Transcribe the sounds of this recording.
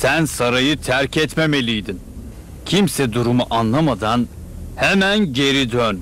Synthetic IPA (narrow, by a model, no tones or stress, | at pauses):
sænsaɾajɯt̪ʰæɾcʰɛt̪meme̞lʲijd̪in | cʰimsɛd̪uɾumuʔanlˠamad̪an | hɛmænɟe̞ɾid̪øn